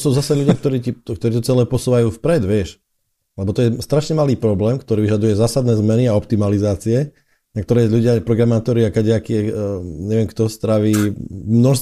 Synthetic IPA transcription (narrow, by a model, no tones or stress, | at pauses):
suːzasɛʎuɟɪakt̪ɔɾiːtikt̪ɔɾiːt̪ɔt͡sɛlɛːpɔsuːʋajuːfpɾɛd̪ʋɪɛʃ | lɛbɔt̪ɔjɛst̪ɾaʃɲɛmaliːpɾɔblɛːmkt̪ɔɾiːʋiʒad̪ujɛzaːsad̪nɛːzmɛniaɔp̚t̪imalizaːt͡siɛ | ɲakt̪ɔɾɛːʎuɟɪapɾɔɡɾamaːt̪ɔɾiakaɟɛakiɛɲɛʋɛmkt̪ɔst̪ɾaʋiːmnɔʃst̪